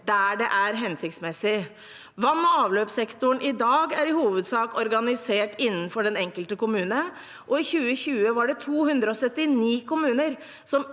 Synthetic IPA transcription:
d̪æɖɛʔæɾɦɛnsɪkt̪smɛsɪ | ʋɑnːɔɑːʋløːpsɛkt̪ʊɳʔɪd̪ɑːɡæɾɪhuːʋəd̪sɑːkɔɾɡɑnɪseːʈɪnːənfɔɖɛnɛŋkəlt̪əkʊmʉːnə | ʔɔɪçʉːəçʉːəʋɑɖɛt̪ʰuːhʉnd̪ɾəɔsœt̪ːɪniːkʰʊmʉːnəɾ | sɔm

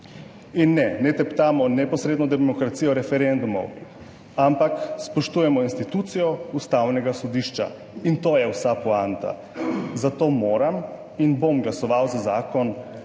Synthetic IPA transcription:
inːɛnɛt̪ɛpt̪aːmɔnɛpɔsɾeːd̪nɔd̪ɛmɔkɾat̪sijɔɾɛfɛɾɛnd̪umɔ̰w | ampakspɔʃt̪uːjɛmɔinst̪it̪ut̪sijɔust̪awnɛɡasɔd̪iʃt͡ʃa̰ | int̪oːjɛwsapɔant̪a̰ | zat̪omoːɾam | inbomɡlasɔʋawzazaːkɔn

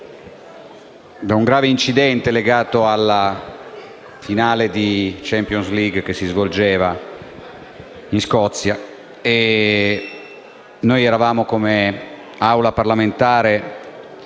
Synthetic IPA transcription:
d̪auŋɡɾaːveint͡ʃid̪ɛnt̪eleɡaːt̪oalːa | finaːled̪it͡ʃɛmpjonsliɡk̟esːizvold͡ʒeːva | inskɔt̪sːja | e | nojɛɾavaːmokome | awlaparlament̪aːɾe

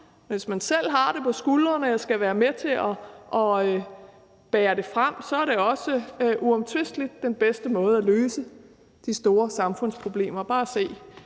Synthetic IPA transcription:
ʋe̝smænsel̰ɦɑ̈ɾ̥e̝pʰɒ̽sɡ̥ulɐnəesɡ̥æʋæːɐmet͡sʰe̝ʔɒʔɒ̽ø | b̥ɛːɐɾ̥e̝fʁam̰sɒ̽æɐɾ̥e̝ɒ̽səʔuɒ̽mt͡sʰʋe̝sd̥lid̥ːenb̥esd̥əmɔ̽ːð̞̩ˠæløːsə | d̥isd̥o̝ːɐsɑ̈mfɔ̽n̰spʰʁo̝b̥le̝̰ːmɐb̥ɑ̈ːæse̝̰ː

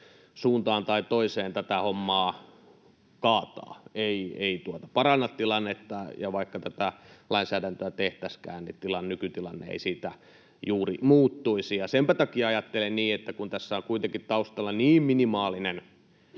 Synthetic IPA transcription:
suːnt̪ɑːnt̪ɑit̪oiseːnt̪æt̪æhomːɑː | kɑːt̪ɑ̰ːeieit̪uot̪ɑpɑrɑnːɑt̪t̪ilɑnːet̪ːɑjɑʋɑikːɑt̪æt̪ælɑinsæːdænt̪øæt̪eht̪æskæ̰ːnnit̪ilɑnnykyt̪ilɑnːḛḛisiːt̪æ | juːrimuːt̪ːuisijɑsempæt̪ɑkiɑɑjɑt̪ːelenniːet̪ːækunt̪æsːæoŋkuit̪eŋkit̪t̪ɑust̪ɑlːɑniːmminimɑːlinen

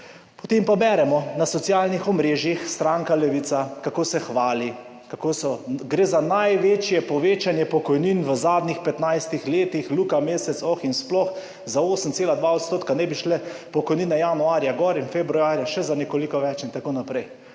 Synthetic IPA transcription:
pɔ̥t̪empabɛɾɛmɔnasɔt̪sjaːlnixɔmɾeːʒjixst̪ɾaŋkalɛʋit̪sakakoːsɛxʋaːli | kakoːsɔɡɾeːzanajʋeːt͡ʃjɛpɔʋeːt͡ʃanjɛpɔkɔjninʋəzaːd̪nixpɛt̪najst̪ixleːt̪ixlukameːsɛt̪sɔxinsplɔx | zaoːsənt̪seːlad̪ʋaɔt̪st̪oːt̪̚kanɛbiʃlɛpɔkɔjniːnɛjanuaːɾjaɡɔɾinfɛbɾuaːɾjaʃɛzanɛkolikɔʋɛt͡ʃint̪akoːnapɾɛj

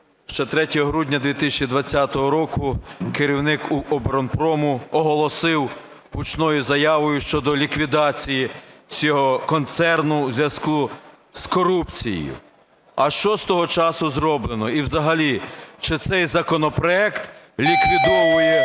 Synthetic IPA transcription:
ʃt͡ʃɛt̪ɾɛtʲɔɦɔɦɾudʲnʲɐd̪ʋʲit̪ɪsʲt͡ʃid̪ʋɐt͡sʲːat̪ɔɦɔɾɔkʊkeɾʲiwnɪkuɔbeɾɔnpɾɔmʊɔɦɔlˠɔsɪw | ɦut͡ʃnɔjʊzɐjɑʋɔjʊʃt͡ʃɔd̪ɔlʲikʋʲid̪ɑt͡sʲijit͡sʲɔɦɔkɔnt̪sɛrnʊwzʲʋjɐsku | skɔɾupt͡sʲḭj̰jʊ̰ | ɐʃt͡ʃɔst̪ɔɦɔt͡ʃɑsʊzɾɔblˠenɔiwzɐɦɐlʲit͡ʃɪt̪sɛjzɐkɔnɔpɾɔɛkt̪lʲikʋʲid̪ɔʋʊjɛ

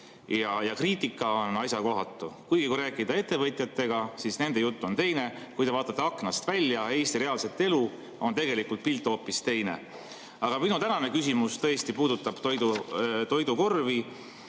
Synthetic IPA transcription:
jɑjɑkriːt̪ːˑikˑːɑo̞nɑjsʲjɑko̞ɦɑt̪ːˑukujɡ̥ikujɾæːkːˑid̪ɑe̞t̪ːe̞vɤt̪ʲˑjɑt̪ːˑe̞ɡ̥ɑsisne̞nd̪e̞jut̪ˑːuo̞nt̪e̞jne̞ | kujt̪e̞vɑːt̪ːˑɑt̪ːeɑkːˑnɑst̪vælʲːjɑe̞ːst̪iɾe̞ɑlse̞t̪ˑːe̞lu | o̞nt̪e̞ɡ̥e̞likult̪̚pilt̪ːˑo̞ːpːˑist̪e̞jne̞̰ | ɑɡ̥ɑminut̪ænɑne̞kysʲimust̪ɤest̪ipuːd̪ut̪ːˑɑb̥t̪ojd̪ut̪o̞jd̪uko̞rvi

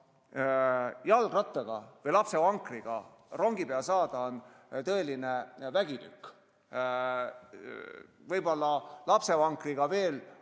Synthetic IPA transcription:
jɑlɡ̥rɑt̪ˑːeɡ̥ɑvɤjlɑpse̞vɑŋkriɡ̥ɑ̰ | ro̞ŋɡ̥ipeɑsɑːd̪̥ɑon | t̪ɤ̞e̞line̞væɡ̥it̪y̰kː | vɤjb̥o̞lːɑlɑpse̞vɑŋkriɡ̥ɑve̞ːl

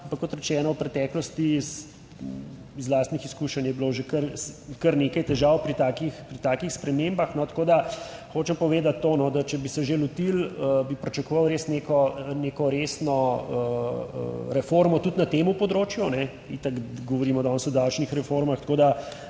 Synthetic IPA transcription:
ampɐkkɔt̪ɾɛt͡ʃɛːnɔwpɾɛt̪ɛːklɔst̪is | izlaːst̪nixiskuːʃɐnjɛbiloʒekəɾskɐɾneːkajt̪ɛʒawpɾit̪aːkixpɾit̪aːkixspɾɛmembaxnɔt̪koːd̪axoːt͡ʃɛmpɔʋeːd̪at̪ːoːnɔd̪at͡ʃɛbisɛʒelut̪iləbipɾit͡ʃɐkoʋɐwɾeːsnekɔnekɔɾesnɔə̰ | ɾɛfoɾmɔt̪ut̪nat̪eːmupɔd̪ɾoːt͡ʃjunɛ | it̪akɡɔʋɔɾimɔd̪ɔnsɔd̪awt͡ʃnixɾɛfoɾmaxt̪koːd̪a

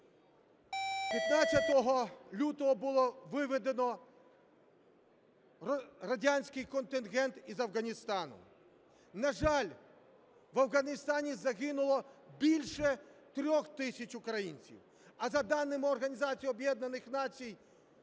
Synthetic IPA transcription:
pʲjɐt̪nat͡sʲːɐt̪ɔɦɔlʲut̪ɔɦɔbʊlˠɔʋɪʋɪd̪enɔ | rɐdʲanʲsʲkɪjkɔnt̪ɪnɣɛnt̪izɐwɣɐnʲist̪ɑnʊ̰ | nɐʒɑlʲ | ʋɐwɣɐnʲist̪ɑnʲizɐɣɪnʊlˠɔbʲilʲʃɛt̪ɾʲɔxt̪ɪsʲɐt͡ʃʊkɾɐjḭnʲt͡sʲḭw | ɐzɐd̪ɑnːɪmɪɔrɣɐnʲizɑt͡sʲijɔbʲjɛd̪nɐnɪxn̪ɑt͡sʲij

